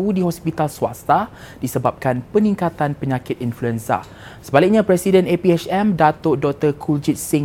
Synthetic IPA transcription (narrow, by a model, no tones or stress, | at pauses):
udiɦɔspit̪alsua̰st̪a | disəbap̚kanpənĩŋkat̪anpəɲãkɪt̪̚influɛnsa̰ | səbalɪk̚ɲãpɾɛsidɛnepiɛt͡ʃɛmdat̪oʔdɔk̚t̪əkʰuld͡ʒit̪̚siŋ